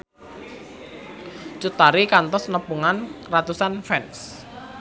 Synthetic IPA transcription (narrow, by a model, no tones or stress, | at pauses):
t͡ʃut̪aɾikant̪ɔsnəpuŋanrat̪usanfɛns